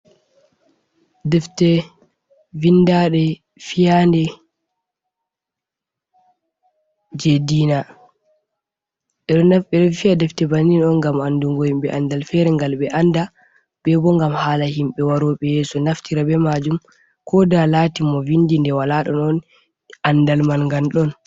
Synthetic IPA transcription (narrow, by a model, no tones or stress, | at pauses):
dɛftɛ | vindaɗɛ | fijandɛ | d͡ʒediːna | ɛɗɔnafɓɛɗɔfijadɛftɛbaninɔnŋɡamanduŋɡojimɓɛʔandalfɛɾɛŋɡalɓɛʔanda | ɓɛbɔŋɡamhaːlahimɓɛwaɾɔːɓɛjɛːsɔnaftiɾabɛmad͡ʒum | kʰɔdalaːtimɔvindindɛwalaɗɔnɔn | andalmanŋɡanɗɔn